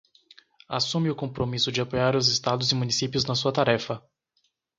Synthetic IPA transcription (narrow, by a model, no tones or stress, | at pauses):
asũmɪʊkõpɾomisʊd͡ʒɪapojaɾʊzɪst̪ad̪ʊzɪmũnisipjʊznɐsuɐt̪aɾɛfɐ